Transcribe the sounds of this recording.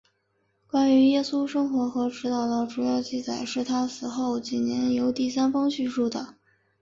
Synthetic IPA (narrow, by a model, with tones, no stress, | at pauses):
kwa˥ny˧˥jɛ˥˧su˥ʂɤ˥ŋxwɔ˧˥xɤ˧˥ʈ͡ʂɻ̩˥t̪ɑ˥˩ʊd̪ə˩ʈ͡ʂu˨˩jɑ˥˧ʊt͡ɕi˥˩t͡sa˨˩ɪʂɻ̩˥˩t̪ʰa˥sɹ̩˨˩xo˥˩ʊt͡ɕi˨˩njɛ˧˥njo˧˥ʊt̪i˥˩s̬a˥nfɑ˥ŋɕy˥˧nʂu˥˩d̪ə˩